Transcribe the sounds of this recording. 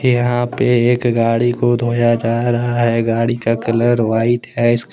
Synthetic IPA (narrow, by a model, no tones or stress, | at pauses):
jɐɦãpeeːkɡaːɽikod̪ʱoːjad͡ʒaːɾɐɦaɦɛɡaːɽikakɐləɾʋaːɪʈɦɛɪsk